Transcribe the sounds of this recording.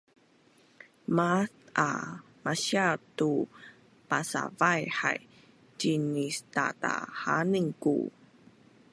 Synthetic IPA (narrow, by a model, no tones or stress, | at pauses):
maθa̰ | maɕiatu | pasa̰vajħa̰j | t͡ɕinistata̰haniŋkṵ